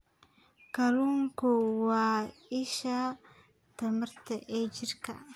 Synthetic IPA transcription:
kɐluŋkɔwaːɪʃaː | t̪ɐmɐɾt̪ɐʔeːd͡ʒɪɾkɐ̰

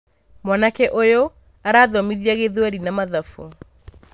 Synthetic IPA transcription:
mwanakɛʔojo | aɾaːðɔmiðiaɣeðwɛɾinamaðafu

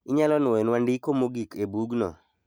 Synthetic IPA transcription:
ɪɲalɔnʊɛnwandɪkomoɡikebuɡnɔ̰

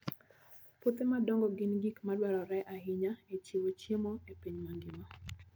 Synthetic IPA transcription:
pot̪emadɔŋɡɔɡɪnɡikmadwɛɾɔɾɛʔahɪɲaet͡ʃiwot͡ʃjemɔepiɲmaŋɡɪma

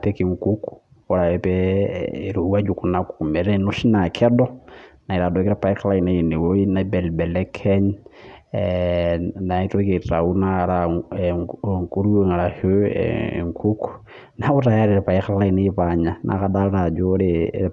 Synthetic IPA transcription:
pekiŋkuku̥ | oɾaepɛ | ɾuwad͡ʒukunaku̥kumeɾenuʃinakʰedonaiɾadokiɾapaixalainejiniwoinabelbelekʰeɲ | naitokitaunaaɾa | ŋkuɾueŋalaho̰ | ŋkʰuku̥ | nautajaɾiɾepaixalainiiβaɲanʔa̰kadaɾad͡ʒoɾe

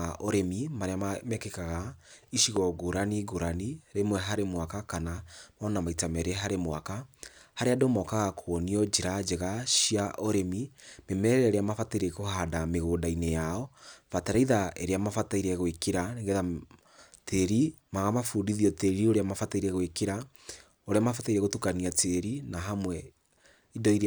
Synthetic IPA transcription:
ɔɾemimaɾeamamɛkekaɣaiʃiɣɔɣoɾaniɡoɾaniɾemwɛɦaɾemwakakanamɔnamaitamɛɾeɦaɾemwakahaɾeadomɔkaɣakʰwɔniɔd͡ʒeɾad͡ʒeɣaʃiaʔɔɾemimemɛɾɛɾɛeɾeamafataiɾekohadameɣoːdainejaɔfataɾaiðaeɾeamafataiɾɛɣwekeɾaneŋɡɛða | teɾimaɣamafudiðiɔteɾioɾeamafataiɾɛɣwekeɾa | oɾeamafataiɾɛɣotukaniatʰeɾinaɦamwɛ | idɔiɾ

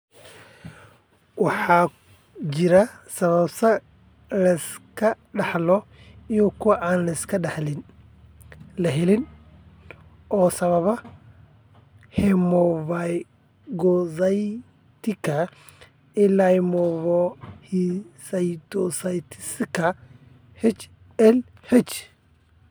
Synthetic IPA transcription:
wɑħɑː | t͡ʃɪɾɐsɐβɐbsɐ | lɐɪskʰɐɖɑħlɔ | ijɔkʰʊwɑʔaːnlɐɪskʰɐɖɑħlɪn | lɐɦɛlɪn | ɔːsɐβɐβɐ | hɛmɔvaj | ɡɔsɐj | t̪ʰɪkʰɐ | ɪlajmɔβɔhisɐjt̪ʰɔsajt̪ʰɪ̥sɪkʰɐ | hɛt͡ʃ | ɛl | hɛt͡ʃ

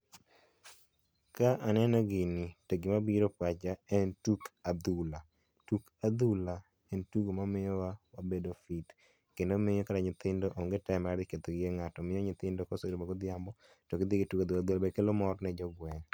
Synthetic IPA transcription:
kaʔanɛnɔɡɪnɪteɡɪmabiɾopwat͡ʃaɛntukad̪ula | tukad̪ula | ɛntuɡomamɪjɔwawabedofit̪ | kendomɪjɔkataɲɪt̪ɪndoʔoŋɡetaɛmadɪket̪oɡɪeŋatɔmɪjɔɲɪt̪ɪndokosoɾomaɡod̪ɪambɔ | tɔkɪd̪ikitukad̪wulad̪wulabekelomɔɾnɛd͡ʒɔɡwɛŋ

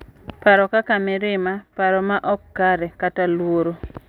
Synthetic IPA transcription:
paɾɔkakamɪɾɪmapaɾɔmaʔɔkːaɾɛkatalwoɾo

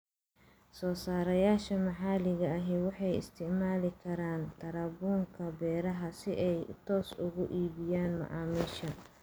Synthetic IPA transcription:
sɔːsaːɾɐjaːʃɐmɐħɑːlɪɣɐːɦɛwɑħɑjɪ̰st̪ʰɪʕmaːlɪkʰɐɾaːnt̪ʰɐɾɐbuːŋkʰɐbɛːɾɐɦɐsɪʔɛjt̪ʰɔːsʊɣʊʔiːβɪjaːnmɐ̰ʕɑːmiːʃɐ

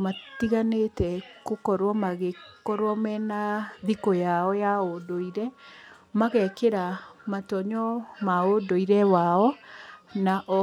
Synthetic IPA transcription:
matiɣanetɛkokɔɾwɔmaɣekɔɾwɔmɛnaðikɔjaɔjaodoiɾɛ | maɣɛkeɾamatɔɲɔmaodoiɾɛwaɔ | naʔɔ

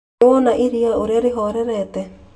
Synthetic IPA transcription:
ɔnaʔiɾiaoɾaɾeɦɔɾɛɾɛtɛ

